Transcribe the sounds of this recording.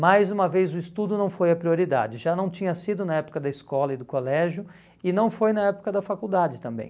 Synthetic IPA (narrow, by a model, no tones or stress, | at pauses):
majzũmɐvejzʊɪst̪ud̪ʊnɐ̃w̃fojɐpɾioɾid̪a̰d͡ʒɪʒanɐ̃w̃t͡ʃĩɲɐsid̪ʊnɐɛpʊ̥kɐd̪ɐɪskɔlɐɪd̪ʊkolɛʒʊ | ɪnɐ̃w̃fojnɐɛpʊ̥kɐd̪ɐfakud̪ad͡ʒɪt̪ɐ̃mbḛ̃j̃